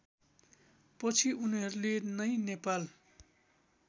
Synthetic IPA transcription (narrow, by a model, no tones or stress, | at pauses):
pʌt͡sʰiʔuniɦʌɾulenʌjnepal